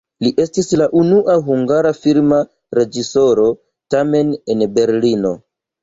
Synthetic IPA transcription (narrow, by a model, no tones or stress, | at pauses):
liʔe̞stislaʔunuʔaɦuŋɡaɾafiɾma | ɾe̞d͡ʒiso̞ɾo̞ | tame̞nenbe̞ɾlino̞̰